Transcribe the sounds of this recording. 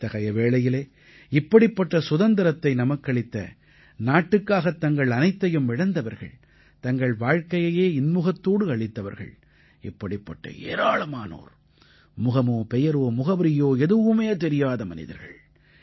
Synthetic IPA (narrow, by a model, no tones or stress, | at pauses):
t̪ɐɣɐjɐʋeːɭɐjɪleː | ɪpːɐɽɪpːɐʈːɐsʊðɐnd̪ɐɾɐt̪ːɐɪnɐmɐkːɐɭɪt̪ːɐ̰ | naːʈːɯkːaːɣɐt̪ːɐŋɡɐɭɐnɐɪt̪ːɐjɯmʋɪɽɐnd̪ɐʋɐɾɣɐ̰ɭ | t̪ɐŋɡɐɭʋaːɻkɐjɐjeːɪnmʊɣɐt̪ːoːɽɯɐɭɪt̪ːɐʋɐ̰ɾɣɐ̰ɭ | ɪpːɐɽɪpːɐʈːɐ̰ḛːɾaːɭɐmaːno̰ːɾ | mʊɣɐmoːpɛjɐɾoːmʊɣɐbɐɾɪjoːɛðɯʋɯmeːt̪ɛɾɪjaːðɐmɐ̰nɪ̰ðɐ̰ɾɣɐ̰ɭ